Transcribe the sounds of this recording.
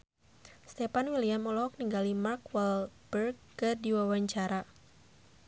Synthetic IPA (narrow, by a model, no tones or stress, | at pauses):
st̪ɛpanwiliamːɔlɔɦɔk̚niŋɡalimarkwɛlbərɡːɨrdiwawaɲt͡ʃaɾa